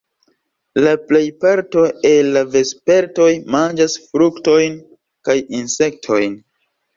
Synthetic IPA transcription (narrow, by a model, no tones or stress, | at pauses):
laple̞jpaɾto̞e̞lːave̞spe̞ɾto̞jmand͡ʒasfɾukto̞jn | kajinse̞k̚tʰo̞jn